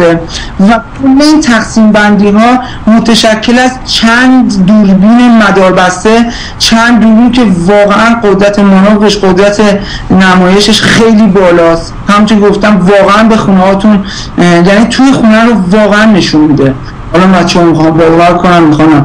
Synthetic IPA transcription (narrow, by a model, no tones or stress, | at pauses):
e | væ | uleiːnt̪ʰæxsiːmbænd̪iːɦɒː | mot̪ʰæʃæcʰːe̞læst͡ʃʰændd̪d̪uːɾbiːnemæd̪ɒːɾbæst̪e̞ | t͡ʃʰænd̪̚ːuːɾbiːncʰe̞vɒːɣeʔænɢod̪ɾæt̪ʰe̞monɒːvleʃɢod̪ɾæt̪ʰe̞ | næmɒːje̞ʃeʃxejliːbɒːlɒːst̪hæmunt͡ʃ̪ʰoɡo̞ft̪æmvɒːɣeænbe̞xunehɒːt̪ʰun | jæniːt̪ʰuːjexunæɾovɒːɣeænːe̞ʃunmid̪e̞ | hɒːlɒmæt͡ʃʰːmixɒmbɒːd̪ovæɾkʰonæmːixɒnæm